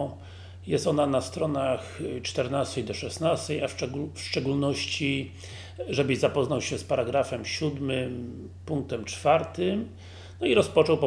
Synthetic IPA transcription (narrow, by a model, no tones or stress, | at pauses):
jɛst̪ɔnanast̪ɾɔnaxt͡ʂt̪ɛɾnast̪ɛjd̪ɔʂɛsnast̪ɛjafɛɡufʂt͡ʂɛɡulnɔɕt͡ɕi | ʐɛbɘzapɔznawɕɛspaɾaɡɾafɛmɕud̪mɘm | puŋk̚t̪ɛmt͡ʂfaɾt̪ɘm | nɔiɾɔspɔt͡ʂɔwpɔ